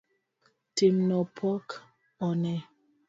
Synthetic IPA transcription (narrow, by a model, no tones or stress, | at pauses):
temnɔpʰɔk | ɔnɛ